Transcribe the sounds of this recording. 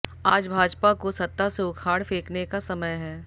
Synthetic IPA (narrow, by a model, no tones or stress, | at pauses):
aːd͡ʒbʱaːd͡ʒpakosɐt̪ːaseʊkʰaːɽfeːknekasɐməjɦɛː